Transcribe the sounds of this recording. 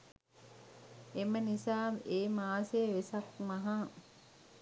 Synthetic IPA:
emənisaːmeːmaːseʋesak̚maɦa

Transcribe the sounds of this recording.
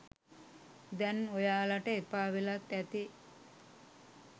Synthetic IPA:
d̪ɛnojaːlaʈəepaːʋilat̪ːæt̪i

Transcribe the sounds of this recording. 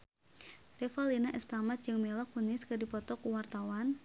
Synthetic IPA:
rɛfɔlinaʔɛst̪amat̪̚d͡ʒɨŋmelɔkːunɪskɨdipɔt̪ɔkuwart̪awan

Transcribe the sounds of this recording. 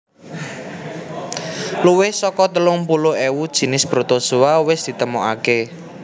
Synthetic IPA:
luwɪhsɔkɔt̪əlʊŋpulʊewud̥ʒ̥i̤nɪsb̥ɾot̪osuwawɪsd̪̥i̤t̪əmoʔa̰ke

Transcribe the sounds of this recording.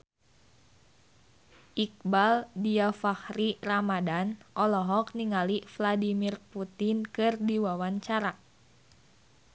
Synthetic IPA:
ʔik̚baldiafahɾiramadanʔɔlɔɦɔk̚niŋalifladimirput̪inkɨrdiwawaɲt͡ʃaɾa

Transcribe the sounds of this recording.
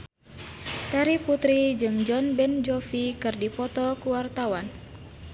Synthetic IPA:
t̪aɾiput̪ɾid͡ʒɨŋd͡ʒɔnbɛnd͡ʒɔfikɨrdipɔt̪ɔkuwart̪awan

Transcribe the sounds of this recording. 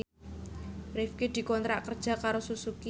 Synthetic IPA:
rɪfked̪̥i̤kɔnt̪ɾaʔkərd̥ʒ̥a̤kaɾosusuki

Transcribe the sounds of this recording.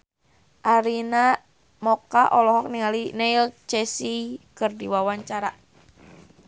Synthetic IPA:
ʔaɾina | mɔkaʔɔlɔɦɔk̚niŋalinɛilt͡ʃɛsikɨrdiwawaɲt͡ʃaɾa

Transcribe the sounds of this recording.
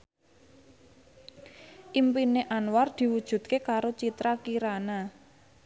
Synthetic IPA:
ʔimpineʔanward̪̥i̤wud̥ʒ̥ṳd̪̚kekaɾot͡ʃit̪ɾakiɾana

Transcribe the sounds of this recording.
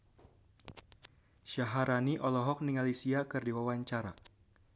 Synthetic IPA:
ʃaɦaɾaniʔɔlɔɦɔk̚niŋalisiakɨrdiwawaɲt͡ʃaɾa̰

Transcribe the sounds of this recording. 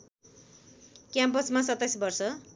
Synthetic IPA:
kjampʌsmasʌt̪ːasbʌrsʌ

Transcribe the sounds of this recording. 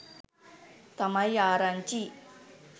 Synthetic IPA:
t̪ɐmajaɾant͡ɕi

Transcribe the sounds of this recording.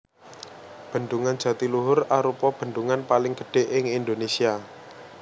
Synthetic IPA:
b̥ə̤nd̪uŋand̥ʒ̥ä̤t̪iluɦʊraɾupɔb̥ə̤nd̪uŋanpalɪŋɡəɖ̥e̤ʔɪŋind̪onesia

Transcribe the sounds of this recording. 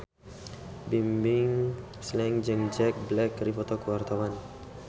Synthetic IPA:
bimbɪŋ | slɛŋd͡ʒəŋd͡ʒɛk̚blɛkːɾifɔt̪ɔkəwart̪awan

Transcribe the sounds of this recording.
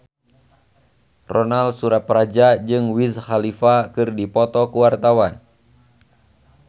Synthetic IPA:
rɔnalsuɾat̪̚pɾad͡ʒad͡ʒɨŋwishalifakɨrdipɔt̪ɔkuwart̪awan

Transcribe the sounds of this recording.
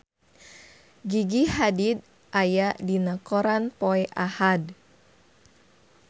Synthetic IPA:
ɡiɡiɦadid̪̚ | ʔajaʔdinakɔɾanpɔɛʔahad

